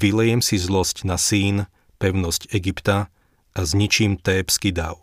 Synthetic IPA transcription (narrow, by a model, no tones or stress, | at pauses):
ʋilɛjɛmsizlɔscnasiːn | pɛʊnɔscɛɡipt̪a | ʔazɲit͡ʃimt̪ɛːpskid̪a̰ʊ